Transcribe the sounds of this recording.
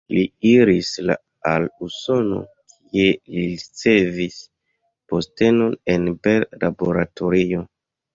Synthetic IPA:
liiɾisla̰ | aluso̞no̞̰kʰie̞liɾit͡se̞vis | po̞ste̞no̞ne̞nbellabo̞ɾato̞ɾio̞

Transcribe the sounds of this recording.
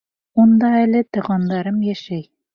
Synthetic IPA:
und̪ɑælɘt̪ɤ̆ʁɑnd̪ɑɾɤmjæʃæj

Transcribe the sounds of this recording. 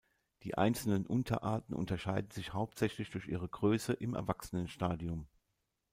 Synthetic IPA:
d̥iːʔa̰ɪnt͡sl̩nənʔʊntʰɐ̰ʔaːɐtn̩ʔʊ̰ntɐʃaɪdn̩zɪçhaʊp̚tz̥ɛçlɪçd̥ʊɐçʔiːʁ̞əɡʁøːsəʔɪmɛ̰ɐvaksənənʃtaːdiʊm

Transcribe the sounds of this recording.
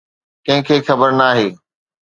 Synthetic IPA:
kɐ̃ɦɪ̃kʰeːxɐbəɾnaːɦeː

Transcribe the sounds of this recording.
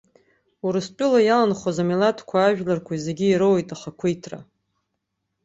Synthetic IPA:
uɾɨst͡pʲʼʊlajalanχozamilatʰkʷʰaːʒᶣlarkʷʰaizeɡʲiːɾɨwjtʼaχakʷʰijtʰra̰

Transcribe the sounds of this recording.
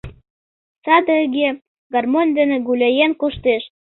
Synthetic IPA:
t͡sɑd̪əəɣe | ɡɑrmonʲd̪ĕnĕɡulʲejenkoʃt̪eʃ

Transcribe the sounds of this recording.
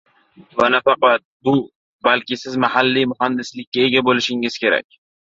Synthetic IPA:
vanafɑqɑt̪̚bʊ | balkʲɪsɪzmahalːimʊhand̪ɪslɪkʲːae̞ɡʲabolɪʃɪŋɪz̥kʲe̞ɾa̰k̚ʲ

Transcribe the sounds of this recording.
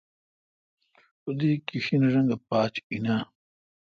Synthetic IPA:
ud̪iːkiɕinɐʐɐŋɡɐpaːt͡ɕina

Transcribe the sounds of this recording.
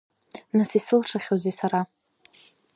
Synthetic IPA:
nasisɨlʈ͡ʂʰaχʲozisaɾa

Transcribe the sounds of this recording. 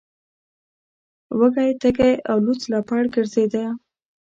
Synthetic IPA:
wəɡajt̪əkejawlut͡slapaɽɡəɾzed̪a

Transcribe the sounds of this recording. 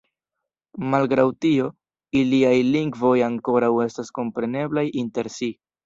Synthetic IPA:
malɡɾawtio̞ | iliajliŋɡvo̞jaŋko̞ɾawe̞stasko̞mpɾe̞ne̞blajinte̞ɾsi

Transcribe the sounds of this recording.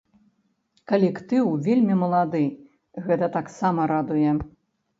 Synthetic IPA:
kɐlʲɛkt̪ɨwvʲelʲmʲimɐlˠad̪ɨ | ɣɛt̪ɐt̪aksamɐɾad̪ujɛ

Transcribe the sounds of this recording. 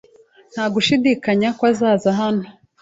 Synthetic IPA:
n̥haːɡuʃidikaɲakwazaːzaɦano

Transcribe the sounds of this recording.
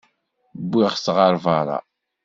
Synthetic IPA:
bːiʁsʁəɾˤvaɾˤɑ̰

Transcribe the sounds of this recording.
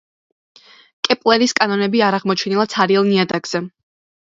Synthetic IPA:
kʼɛpʼlˠɛɾiskʼanɔnɛbiaɾaʁmɔt͡ʃʰɛnilˠat̪sʰaɾiɛlˠniad̪aɡz̥ɛ

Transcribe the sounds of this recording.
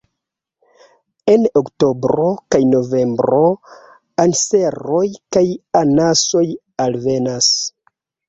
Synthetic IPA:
e̞nokto̞bɾo̞kajno̞ve̞mbɾo̞ | anse̞ɾo̞jkajanaso̞j | alve̞nas

